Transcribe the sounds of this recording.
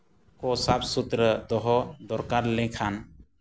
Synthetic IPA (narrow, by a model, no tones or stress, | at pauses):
kɔsab̚sut̪ɾəd̪ɔɦɔd̪ɔɾkaɾlɛ̃kʰan